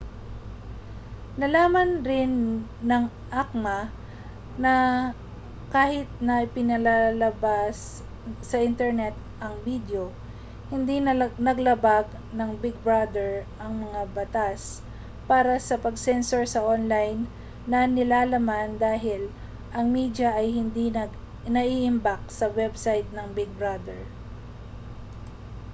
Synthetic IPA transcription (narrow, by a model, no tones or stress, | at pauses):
nɐlaːmɐnɾɪnːɐŋ | ʔak̚mɐ | nɐ | kaːhɪt̪̚nɐʔɪpɪnɐlalɐbasː | ɐʔɪnt̪ɛɹnɛt̪̚ | ʔɐŋbid̪jo̞ | hɪnd̪innɐɡlɐbaɡ̚ | nɐŋbɪɡ̚bɹad̪ɛɹʔɐŋmɐŋabɐt̪as | paːɾɐsɐpɐɡsɛnsoɹsɐʔonlajnː | ɐnɪlaːlɐmand̪aːɦɪl | ʔɐŋmid̪jɐʔɐjhɪnd̪inɐ | nɐʔiʔɪmbak̚sɐwɛbsajt̪̚nɐŋbɪɡ̚bɹad̪ɛɹ